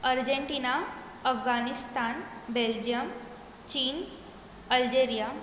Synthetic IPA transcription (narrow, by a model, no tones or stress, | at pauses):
əɾd͡ʑeɳʈiːna | əfɡanist̪aːnbeld͡ʑijəm | t͡ɕiːn | əld͡ʑeɾija